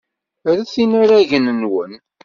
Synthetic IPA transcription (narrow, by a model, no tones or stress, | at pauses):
ɾæθinaɾæʝənənwən